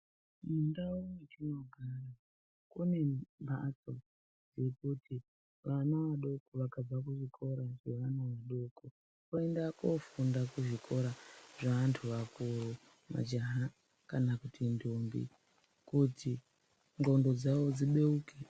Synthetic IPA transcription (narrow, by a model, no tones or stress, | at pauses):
mundawunet͡ʃino̞ɡʱara | kune̞mbʱa̰so | d͡zekutʰi | ʋanaʋaɗo̞koʋakab͡vakuʐikʰo̞ɾaʐe̞ʋanaʋaɗo̞ko | koe̞ndakofundakuʐikʰo̞ɾaʐaantʰuʋakuru | ma̰d͡ʒaɦa | kanakutʰindʱumbḭ | kuti | ŋɡo̞ndo̞d͡zawo̞d͡ziɓe̞uːke